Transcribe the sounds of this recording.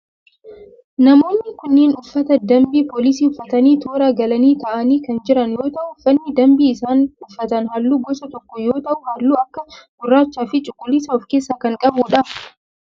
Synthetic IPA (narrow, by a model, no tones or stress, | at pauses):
nɐmo̞ːnːɪkʊnːeːnʊfːɐt̪ɐd̪ɐmbiːpoːlɪs̬iːʊfːɐt̪ɐniːt̪ʰoːɾaːɡɐlɐniːt̪ɐʔɐniːkɐnd͡ʒɪɾɐnjo̞ːt̪ɐʔʊʊfːɐnːɪd̪ɐmbiːɪsaːnʊfːɐt̪ɐnɦɐlːuːɡɔsɐt̪ɔkːɔjoːt̪ɐʔʊhɐlːuːɐkːɐɡʊrːaːt͡ʃːaːfɪt͡ʃʼʊkʼːʊlːɪsɐʊfke̞ːsːaːkɐŋkʼɐbuᶑɐ